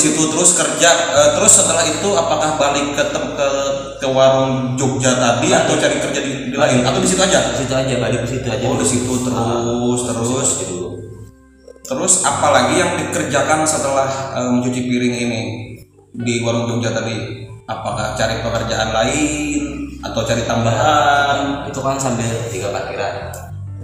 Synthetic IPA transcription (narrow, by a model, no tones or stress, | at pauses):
sit̪ut̪əɾʊskərd͡ʒaət̪əɾʊsːət̪əlahit̪uapakahbalɪkːət̪əp̚kə | kəwaɾʊŋd͡ʒok̚d͡ʒat̪adiat̪awt͡ʃaɾɪkərd͡ʒadidilaɪna̰t̪awdis̬it̪uad͡ʒasit̪uad͡ʒaadisit̪uad͡ʒdisit̪ut̪əɾʊst̪əɾʊs | t̪əɾʊsapalaɡijaŋdikərd͡ʒakansət̪əlahəmt͡ʃut͡ʃipiɾɪŋini | diwaɾʊŋd͡ʒok̚d͡ʒat̪adi | apakaht͡ʃaɾɪpəkərd͡ʒaʔanlaɪnʔa̰t̪awt͡ʃaɾit̪ambaɦanit̪ukaŋsambɛt̪iɡapak̪iɾan